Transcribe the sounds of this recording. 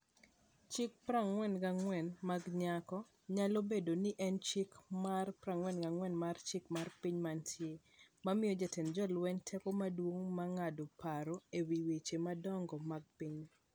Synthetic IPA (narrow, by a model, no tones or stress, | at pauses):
t͡ʃɪk̚pɾaŋwɛnɡaŋwɛnmaɡɲakɔ | ɲalobedonɪʔɛnt͡ʃikmarpɾaŋwɛnɡaŋwɛnmart͡ʃɪkmarpiɲmantʰje | mamɪjɔd͡ʒatɛnd͡ʒɔlwɛɲtʰɛkɔmadwoŋmaŋadopaɾoewiwet͡ʃemadɔŋɡɔmaɡ̚piɲ